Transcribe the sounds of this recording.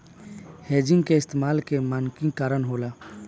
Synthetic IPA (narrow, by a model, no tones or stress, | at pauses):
heːd͡ʒɪ̃ŋɡkeɪst̪eːmaːlkemaːnkĩkaːɾənɦoːlaː